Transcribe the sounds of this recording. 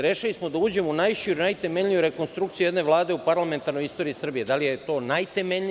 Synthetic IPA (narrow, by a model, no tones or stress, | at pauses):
ɾeʃalismo̞d̪auːd͡ʑe̞mounajʃiɾonajt̪eme̞ʎʎijuɾe̞ko̞nst̪ɾukt̪sijujed̪ne̞ʋlˠaːd̪e̞upaɾlˠame̞nt̪aɾno̞jist̪o̞ɾiisr̩bije̞d̪alijet̪o̞ːnajt̪e̞meʎi